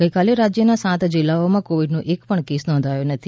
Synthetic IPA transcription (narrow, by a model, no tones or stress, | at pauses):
ɡəjkaleɾad͡ʒjənasãt̪d͡ʒɪlːaomãkoʋiɖnũʔekpəɳkesnɔ̃nd̪ʱajunət̪ʰi